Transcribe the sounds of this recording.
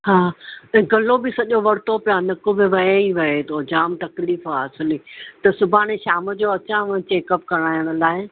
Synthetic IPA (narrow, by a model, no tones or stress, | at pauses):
haːɐ̃ɡɐlobɪsɐʄoʋɐɽt̪opɪjanɐkʊbɪʋɐeiʋɐɦet̪ʰod͡ʑaːmt̪ɐkliːfaːsʊlit̪ɐsʊbʱaːɽ̃eʃaːməd͡ʑoːɐt͡ɕãʋ̃t͡ɕeːkəpkɐɾ̃aːjəɽ̃ə̆laːɪ